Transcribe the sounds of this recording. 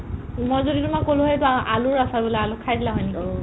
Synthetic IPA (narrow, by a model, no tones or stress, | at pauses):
mɔjzoditʊmakolʊɦɔjtuaʔalʊɹasabilaalʊkʰajdilaɦɔjnikɔ